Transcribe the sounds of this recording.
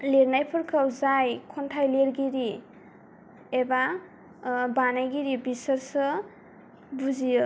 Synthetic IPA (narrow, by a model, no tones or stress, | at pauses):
leɾnajpʰɔɾkʰawzajkʰɔntʰajleɾɡiɾi | eba | banajɡiɾibisəɾsɯ | buzij